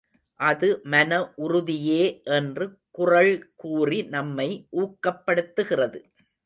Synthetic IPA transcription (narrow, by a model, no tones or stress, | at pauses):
ʔɐðɯmɐnɐʔʊrʊðɪjeːʔɛndrɯkʊrɐɭkuːrinɐmːɐɪʔuːkːɐpːɐɽɯt̪ːɯɣɪrɐðɯ